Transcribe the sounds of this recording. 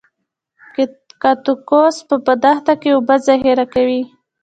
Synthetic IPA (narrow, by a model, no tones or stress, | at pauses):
kat̪ukospəbəd̪axt̪akeubazaɦeɾakawi